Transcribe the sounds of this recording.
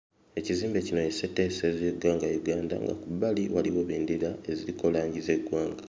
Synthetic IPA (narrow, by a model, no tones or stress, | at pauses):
e̞ciziːmbe̞cino̞jesetːesezeɡaːŋɡajuɡaːnda̰ŋɡa̰kubaliwa̰liwo̞βiːndilae̞ziɾiko̞laːɲɟize̞ɡwaːŋɡa